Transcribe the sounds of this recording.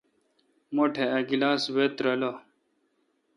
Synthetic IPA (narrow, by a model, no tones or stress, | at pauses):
moʈʰeɐɡilaːswet̪ɾɐlo